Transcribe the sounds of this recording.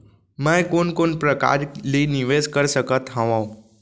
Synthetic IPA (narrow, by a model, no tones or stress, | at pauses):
mə̃jkonkoɳpɾəka̰ɾliːniʋed͡zkəɾsəkət̪ɦãʋãw